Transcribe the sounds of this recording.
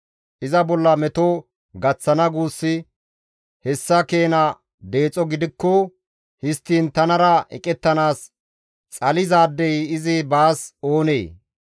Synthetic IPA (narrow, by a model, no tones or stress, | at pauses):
ʔɪzɐbɔlːɐmɛt̪o | ɡɐt͡sːɐnɐɡuːsːɪ | hɛsːɐke̞ːnɐ | d̪e̞ːt͡sʼɔɡɪd̪ɪkːɔ | hɪst̪ːiːnt̪ɐnɐɾɐɛ̰kʼɛt̪ːɐnaːs | t͡sʼɐlɪzaːd̪ːɛjɪzɪbaːso̞ːnḛː